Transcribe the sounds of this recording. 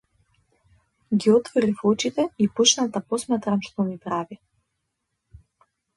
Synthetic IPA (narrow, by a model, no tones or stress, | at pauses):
ɡiɔt̪vɔlifɔt͡ʃit̪ɛipɔt͡ʃnat̪apɔsmat̪ɾamʃt̪ɔmipɾavi